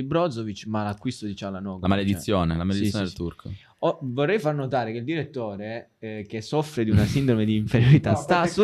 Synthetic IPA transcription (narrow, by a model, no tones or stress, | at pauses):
ibɾɔd̪zovit͡ʃmalakːwist̪od̪it͡ʃalanɔːɡlamaled̪it̪ːjoːnelamaled̪ijoneelt̪urkʰo̰ | ɔvorːɛjfarnot̪aːɾekeild̪iɾet̪ːoːɾe | k̟esɔfɾed̪iunasind̪ɾomed̪iːɱfeɾjoɾit̪ast̪asu